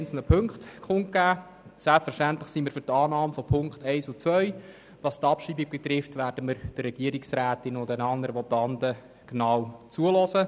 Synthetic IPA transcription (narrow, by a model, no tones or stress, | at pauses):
nt͡sl̩nəpʰɵŋkχtkχʊŋt̚ɡ̥æː | sɛlpfəʃtæntləχsiməːɾfʏɾtɑːnɑːmfɔpʰʊŋkχtɛɪsʊt͡sʋœɥ | ʋɑst̪ɑpʃiːbiɡ̚bɛt̪ɾɪftʋæːɾd̥əmɪɾd̥ərːɛɡiəɾɪksɾæːtɪnʊndɛnɑndəɾəʋɔtɑnd̪ə | ɡ̥nɑːwt͡suəlɔsə